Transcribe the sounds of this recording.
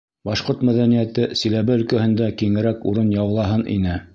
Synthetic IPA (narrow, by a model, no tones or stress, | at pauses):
bɑʃqoɾt̪mæðænijæt̪ɘsilæβɘɵ̆lkæhɘ̆nd̪ækiŋɘ̆ɾækṵɾɤnjɑwlˠɑɦɤnʔḭnɘ